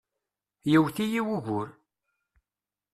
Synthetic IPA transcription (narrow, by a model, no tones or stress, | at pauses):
jiwθijiwuɣʊɾ